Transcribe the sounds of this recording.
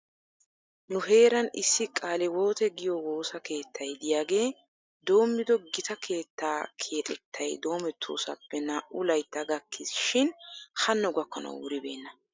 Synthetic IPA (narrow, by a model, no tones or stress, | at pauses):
nʊɦe̞ːɾɐnɪsːɪkʼaːlɪwo̞ːt̪ɛɡɪjɔwo̞ːsɐke̞ːt̪ːɐjd̪ɪjaːɡe̞ː | d̪o̞ːmːɪd̪ɔɡɪt̪ɐkʰe̞ːt̪ːaːkʰe̞ːt̪ʼɛt̪ʰːɐjd̪o̞ːmɛt̪ʰːo̰ːsɐ̰pːɛnɐʔʊlɐjt̪ːɐɡɐkʰːɪsʃɪnhɐnːɔɡɐkːɐnɐ̰wwʊɾɪbe̞ːnːɐ